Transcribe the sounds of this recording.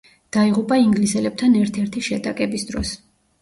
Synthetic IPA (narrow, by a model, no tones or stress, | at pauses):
d̪̥aiʁupʼaiŋɡlisɛlɛb̚t̪ʰanɛɾt̪ʰɛɾt̪ʰiʃɛt̪ʼakʼɛbisd̪ɾɔ̰s